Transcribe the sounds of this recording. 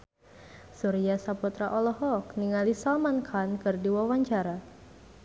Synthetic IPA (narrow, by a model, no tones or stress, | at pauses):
suɾiasaput̪ɾaʔɔlɔɦɔkniŋalisamankʰankɨrdiwawaɲt͡ʃaɾa